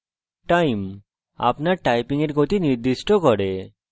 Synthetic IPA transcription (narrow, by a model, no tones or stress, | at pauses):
ʈajm | a̰pnaɾʈajpiŋeɾɡot̪iniɾd̪iʃʈɔkɔɽe